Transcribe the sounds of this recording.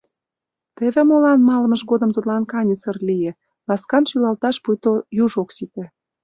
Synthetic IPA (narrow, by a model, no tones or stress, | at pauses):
t̪ĕβĕmolɑnmɑlə̆mə̆ʃɡod̪ə̆mt̪ut̪lɑnkɑnʲəsə̆rlijĕ | lɑskɑnʃylɑlt̪ɑʃpujt̪ojuʒoksit̪ĕ